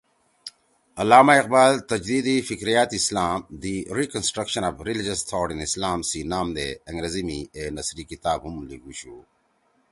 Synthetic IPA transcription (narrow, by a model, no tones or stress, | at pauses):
ɐlaːmaiq̚baːlt̪ɐd͡ʒd̪iːd̪ifikɾijat̪islaːmd̪iɾikənsʈɾɐkʃɐnavɾilid͡ʒɐst̪ʰɔːɖĩnislaːmsiːnaːmd̪eɐ̃ŋɡɾezimienɐsɾikit̪aːbɦumliɡuɕuː